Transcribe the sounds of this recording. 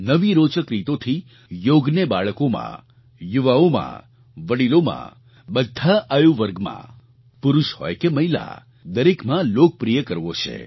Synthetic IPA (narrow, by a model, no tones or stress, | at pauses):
nəʋiɾot͡ʃəkɾit̪ot̪ʰi | joɡnebaɭəkomã̰ | juʋaomã̰ | ʋəɽilomã̰ | bəd̪ʱːaʔajuʋəɾɡmã̰ | puɾuʃhɔ̰jkeməɦila̰ | d̪əɾekmãlok̚pɾijəkəɾʋot͡ʃʰḛ